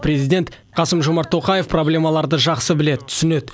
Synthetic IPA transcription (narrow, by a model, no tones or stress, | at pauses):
pɾʲe̞zijd̪ʲe̞nt̪ | qʰɑsəmʒo̞mɑɾt̪ʰːo̞qɑje̞fproblʲe̞mɑlˠɑɾd̪əʒɑqsəbɪle̞d̪ɪt̪ʰʏ̥sɪne̞d̪